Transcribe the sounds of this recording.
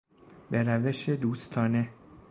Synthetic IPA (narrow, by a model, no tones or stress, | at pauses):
beɾæve̞ʃe̞d̪uːst̪ʰɒːne̞